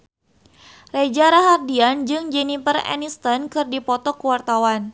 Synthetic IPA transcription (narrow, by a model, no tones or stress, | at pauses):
red͡ʒaɾaɦardiand͡ʒɨŋd͡ʒɛnifərɛ̰nist̪ɔnkɨrdipɔt̪ɔkuwart̪awan